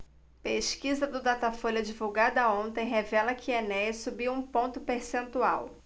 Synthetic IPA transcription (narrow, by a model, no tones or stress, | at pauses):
peʃkizɐd̪ʊd̪at̪afolɐd͡ʒivuwɡad̪ɐõnt̪ẽj̃ɦevɛlɐkʰɪenɛsubiwũpõnt̪ʊpeɾsẽnt̪ua̰w